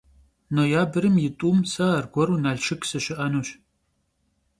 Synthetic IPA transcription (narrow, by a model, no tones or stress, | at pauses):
noːjaːbɨɾɨmjɪtʼuːmsɐɐrɡʷɔɾunaːɮʃɪkʰʼsɨɕɪʔanuːɕ